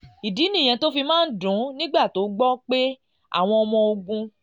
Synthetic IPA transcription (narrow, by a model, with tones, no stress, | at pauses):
i˨di˨˦nĩ˦˨j̃ɛ̃˧to˦fi˧mãː˦n̩˦dũ˨˦nĩ˦ɡ͡ba˦˨to˨˦ɡ͡bɔ˦k͡pe˦ | a̰˦˨w̃ɔ̃˧ɔ˧mɔ̃˧o˧ɡũ˧